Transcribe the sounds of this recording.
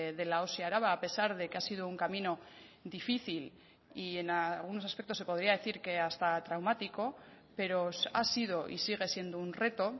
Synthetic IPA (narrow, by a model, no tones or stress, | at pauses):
ðe̞laosiaɾaβ̞aːpe̞saɾðe̞ke̞asið̞ouŋkamino̞ | ðifiθil | ie̞nalɣ̞unosaspe̞k̚t̪ose̞po̞ð̞ɾiaðe̞θiɾke̞ast̪at̪ɾawmat̪iko̞ | pe̞ɾo̞sasið̞o̞ʔḭsiɣ̞e̞sje̞nd̪ounre̞t̪o̞